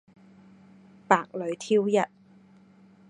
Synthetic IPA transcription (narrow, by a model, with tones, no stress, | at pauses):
paː˨k̚lɵ˨˧˥ɥt̪ʰiː˥wjɐ˨t̚